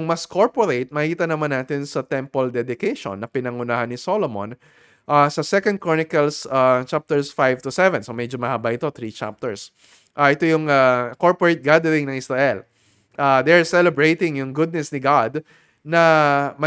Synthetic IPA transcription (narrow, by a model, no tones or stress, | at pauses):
ŋmɐskoɹpoɾejt̪̚mɐhkiːt̪ɐnɐmanːaːt̪ɪnsɐt̪ɛmpold̪ɛd̪ɪkejʃo̰nːɐpɪnɐŋʊnaːhɐnːɪsolomo̰n | ʔasɐsɛkɐ̃nd̪̚kɹonɪkɐlsat͡ʃap̚t̪ɛɹsfajvt̪ʊsɛvɛ̃nsomɛd͡ʒomɐhabaʔɪt̪o̞t̪ɾit͡ʃa̰p̚t̪ɛɹs | ʔaʔɛt̪o̞jʊŋakoɹpoɹejt̪̚ɡad̪ɛɾɪŋnɐŋʔɪsɾaʔɛl | ʔad̪ɛɹsɛlɛbɹejt̪ɪŋjʊŋɡʊd̪̚nɛsnɪɡad̪ | nɐmɐ